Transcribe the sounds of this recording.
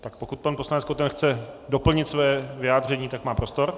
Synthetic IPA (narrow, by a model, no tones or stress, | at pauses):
t̪ak̚po̞kut̪̚panpo̞slanɛt͡sskot̪ɛnxt͡sɛdo̞pl̩ɲɪt̪svojɛvɪjaːd̪r̝ɛɲiːt̪akmaːpɾo̞st̪o̞ɾ